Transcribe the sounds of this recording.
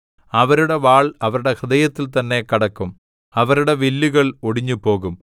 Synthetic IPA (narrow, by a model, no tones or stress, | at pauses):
ɐʋɐɾuɽe̞ʋaːɭɐʋɐɾuɽe̞kɐd̪ɐjɐt̪ːilt̪ɐnːe̞kɐɽɐkːum | ɐʋɐɾuɽe̞ʋilːuɣɐɭoɽiɲːupo̞ːɣum